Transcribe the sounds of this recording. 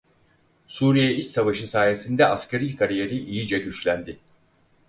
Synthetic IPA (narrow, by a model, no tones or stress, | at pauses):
suːɾijɛit͡ʃsavaʃɯsaːjesind̪ɛʔascʰeɾilkʰaɾije̞ɾiʔijid͡ʒɛɟyt͡ʃlʲænd̪ɪ